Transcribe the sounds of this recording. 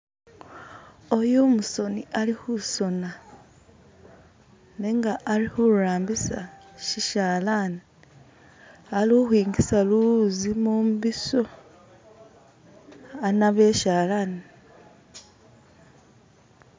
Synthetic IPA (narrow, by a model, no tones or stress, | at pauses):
ojomuso̞niʔalixuso̞na | neŋɡaʔːlixuɾaːmbisa | ʃiʃaːlani | aluxwiːŋɡisaluzimoːmuβiso̞ | anaβeːʃaːlani